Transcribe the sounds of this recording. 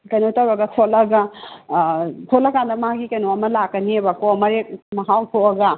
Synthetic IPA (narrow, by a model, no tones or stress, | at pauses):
kɐjnotɐwɾɐɡɐsʰolɐɡɐ | tʰolɐkandɐmɦaɡikɐjnoɐmɐlakːɐniebakoɐmɐɾek̚mɐɦawtʰoɐɡɐ